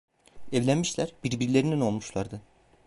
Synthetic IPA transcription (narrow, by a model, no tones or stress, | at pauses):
ɛvlʲænmiʃlʲæɾbiɾbiɾlʲe̞ɾinino̞lˠmuʃlˠaɾd̪ɯ